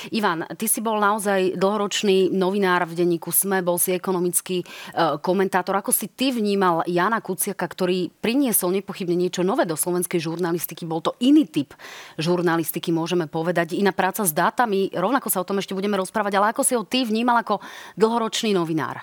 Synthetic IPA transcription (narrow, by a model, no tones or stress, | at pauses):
iʋant̪isibɔlnaɔzajd̪l̩ɦɔɾɔt͡ʃniːnɔʋinaːɾvɟɛɲːiːkusmɛbɔlsiɛkɔnɔmit͡skikɔmɛnt̪aːt̪ɔɾakɔsit̪iʋɲiːmaljaːnakut͡sɪakakt̪ɔɾiːpɾiɲɪɛsɔlɲɛpɔxibɲɛɲɪɛt͡ʃɔnɔʋɛːd̪ɔslɔʋɛnskɛjʒuɾnalist̪ikibɔlt̪ɔʔiniːt̪ipʒuɾnalist̪ikimʊɔʒɛmɛpɔʋɛd̪aɟinapɾaːt͡sazd̪aːt̪amiɾɔʊnakɔsaɔt̪ɔmɛʃcɛbuɟɛmɛɾɔspɾaːʋaɟalɛakɔsiɦɔt̪ivɲiːmalakɔd̪l̩ɦɔɾɔt͡ʃniːnɔʋina̰ːɾ